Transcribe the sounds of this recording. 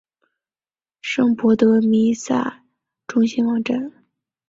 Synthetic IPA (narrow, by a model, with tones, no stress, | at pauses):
ʂɤ˥ŋpɔ˧˥t̪ɤ˧˥mi˧˥sa̰˥˩ | ʈ͡ʂʊ˥ŋɕi˥nwɑ˧˥ŋʈ͡ʂa˥˩n